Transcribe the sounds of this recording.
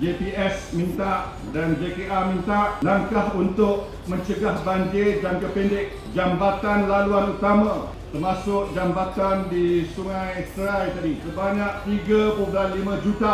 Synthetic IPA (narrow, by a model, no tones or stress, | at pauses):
d͡ʒepiɛsmĩnt̪aʔ | dand͡ʒepeʔamĩnt̪aʔnãŋkahunt̪ʊk̚ | mə̃ɲt͡ʃəɡahbaɲd͡ʒɪrdankəpindɪk̚ | d͡ʒambat̪anlaluanut̪amã | t̪ərmasʊk̚d͡ʒambat̪andisuŋãjst̪əɾajt̪adisəbaɲak̚t̪iɡapoblanlimãd͡ʒut̪a